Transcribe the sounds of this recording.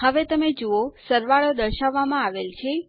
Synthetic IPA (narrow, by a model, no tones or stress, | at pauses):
həʋet̪əmed͡ʒoosəɾʋaɭod̪əɾʃaʋːamãaʋelt͡ʃʰe